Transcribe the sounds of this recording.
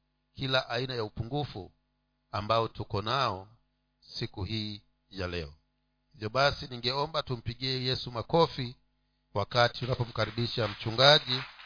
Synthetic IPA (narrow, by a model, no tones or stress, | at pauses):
kilaʔainajaupuŋɡufṵ | ambaɔtukɔnaɔ | sikuhiː | jalɛɔ | hivjɔɓasiniŋɡɛɔmbatum̩piɠiɛjɛsumakɔfi | wakati̥tunapɔm̩kaɾiɓiʃam̩t͡ʃuŋɡaʄi